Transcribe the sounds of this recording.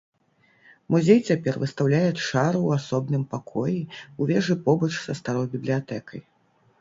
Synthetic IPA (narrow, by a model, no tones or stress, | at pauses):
muzʲejt͡sʲapʲɛrvɨst̪awlʲajɛt͡sʂaɾuwasɔbnɨmpakʰɔjiuvʲɛʐɨpɔbɐt͡ʂsɐst̪aɾɔjbʲiblʲijat̪ɛkɐj